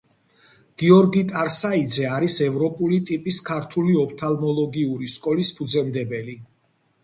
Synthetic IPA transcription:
ɡ̥iɔɾɡit̪ʼaɾsaid̪zɛaɾisɛvɾɔpʼulit̪ʼipʼiskʰaɾt̪ʰuliɔpʰt̪ʰalmɔlˠɔɡiuɾiskʼɔlispʰud̪zɛmd̪ɛbɛli

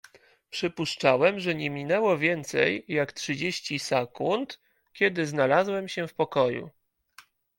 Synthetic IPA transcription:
pʂɘpuʂt͡ʂawɛmʐɛɲɛmʲinɛwɔvʲjɛnt̪sɛ̰jːaktʂɘd͡ʑeɕt͡ɕisɛkunt̪ | kʲjɛd̪ɘznalazwɛmɕɛfpɔkɔjṵ

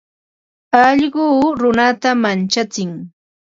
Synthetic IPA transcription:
ɑʎɢʊːɾʊnat̪amant͡ʃat͡sɪŋ

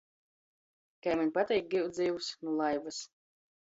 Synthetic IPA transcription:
kajmanʲpat̪ʲɛjk̚ɡiwd̪zʲiːwsnulˠajbas

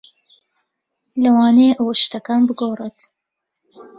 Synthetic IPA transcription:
lɐwaːneːʔɐwɐʃt̪ɐkaːnbɨɡoːrˤet̪

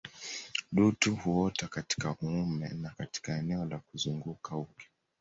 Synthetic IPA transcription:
ɗutuhuɔtakati̥kahuumɛ̰nakati̥kaɛnɛɔlakuzuŋɡukaukɛ̥

